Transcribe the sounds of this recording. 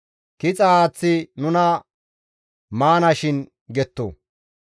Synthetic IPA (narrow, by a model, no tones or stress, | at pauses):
kɪt͡sʼɐaːt͡sːɪnʊnɐ | maːnɐʃɪn | ɡɛt̪ːo̰ː